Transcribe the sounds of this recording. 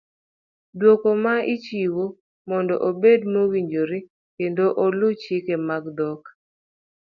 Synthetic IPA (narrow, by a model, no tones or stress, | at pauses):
dwokɔmait͡ʃiwo | mɔndɔ̰ʔobedmowiɲd͡ʒoɾi | kendoʔolʊt͡ʃɪkemaɡdɔk